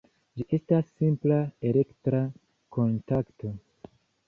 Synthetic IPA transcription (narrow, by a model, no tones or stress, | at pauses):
d͡ʒiʔe̞stasːimplae̞le̞ktɾa | ko̞ntakto̞